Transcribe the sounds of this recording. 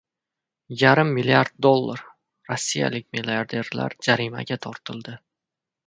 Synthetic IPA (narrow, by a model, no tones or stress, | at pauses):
jaɾɪmːilijaɾd̪̚ːolˠːaɾ | ɾɒsːija̰lɪk̚ʲmilʲeaɾd̪e̞ɾla̰ɾd͡ʒaɾima̰ɡʲat̪ʰɒɾt̪ʰɪlˠd̪ɪ